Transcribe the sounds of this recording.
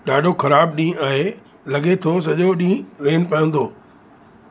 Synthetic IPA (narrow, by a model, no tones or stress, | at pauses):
ɗaːɖʱokʰɐɾaːbɗĩːaːɦe | lɐɠet̪ʰos̬ɐʄoɗĩːɾeːnpɐə̃nd̪oː